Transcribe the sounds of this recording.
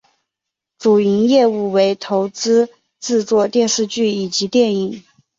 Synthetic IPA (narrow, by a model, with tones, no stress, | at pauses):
ʈ͡ʂu˨˩i˧˥njɛ˥˧u˥˩we˧˥ɪt̪ʰo˧˥ʊt͡sɹ̩˥ | t͡sɹ̩˥˧t͡swɔ˥˧t̪jɛ˥˧nʂɻ̩˥˧t͡ɕy˥˩i˨˩t͡ɕi˧˥t̪jɛ˥˩ni˨˩˦